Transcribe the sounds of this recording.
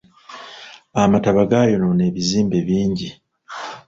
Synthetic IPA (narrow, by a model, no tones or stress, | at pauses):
amataβaɡajo̞none̞ːβiziːmbeβiːɲɟi